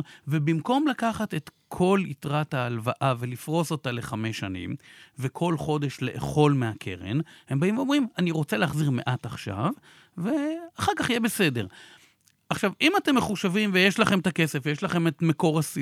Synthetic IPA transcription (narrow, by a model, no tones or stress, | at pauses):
vebimko̞mlakaχate̞tkʰo̞litʁathaːlvaʔavelifʁo̞so̞tale̞χame̞ʃanḭmvekʰo̞lχo̞de̞ʃle̞ʔːχo̞lmeakʰḛʁḛnhembaimveo̞mʁimaniʁo̞t͡seleːχziʁme̞̰ʔataχʃa̰v | veaχaʁkaχijebe̞se̞de̞ʁ | ʔaχʃavimate̞mːeχuʃavimvejeʃlaχe̞mt̪ake̞sefjeʃlaχe̞metmeko̞ʁasi